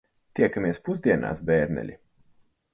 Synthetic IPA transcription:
t̪ʲiɛkamiɛspuzd̪ʲiɛnʔa̰ːsbɛːɾnɛ̰lʲḭ

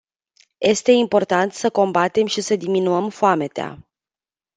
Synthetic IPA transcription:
je̞st̪e̞impo̞rt̪ant̪səko̞mbat̪e̞mʃisəd̪iminuəmfoame̞t̪ea̰

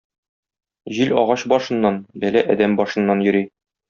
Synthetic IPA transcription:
ʑilɒʁɑɕbɒʃɤ̆nːɑnbælæʔæd̪æmbɒʃɤ̆nːɑnjɵ̆ɾi

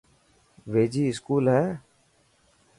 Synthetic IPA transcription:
ʋeːd͡ʒiːɪskuːlɦɛː

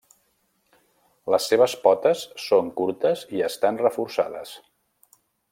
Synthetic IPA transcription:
ləsːeβ̞əspɔt̪əsːoŋkuɾt̪əziəst̪anrəfuɾsa̰ðə̰s

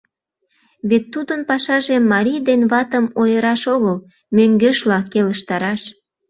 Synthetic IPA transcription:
βet̪ːud̪ənpɑʃɑʒemːɑɾʲijd̪enβɑt̪əmojəɾɑʃoɣəl | møŋɡeʃlɑkeləʃt̪ɑɾɑʃ

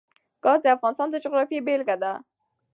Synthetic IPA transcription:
ɡ̥ɑzeafɣɑnɪst̪ɑnd̪əd͡ʒʊɣɾɑfiebelɡad̪a

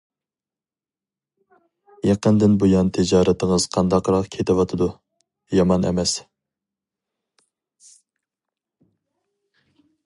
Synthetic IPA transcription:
jɑqənd̪ɪnbojɑnt̪ʰɪd͡ʒɑːɾɛt̪ʰəŋəz̥qʰɑnd̪ɑqɾɑqkʲʰet̪ʰɪwɑt̪ʰɨd̪u | jɑmɑnɛ̰mɛs

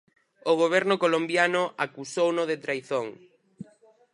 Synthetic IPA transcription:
oɣ̞oβ̞ɛɾnʊkolombjanʊʔakusownoðet̪ɾajθoŋ

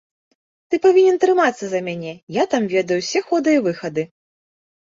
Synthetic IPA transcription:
t̪ɨpavʲinʲɛnt̪ɾɨmat̪sːɐzɐmʲanʲɛjat̪amvʲɛd̪ɐjusʲɛxɔd̪ɨjivɨxɐd̪ɨ

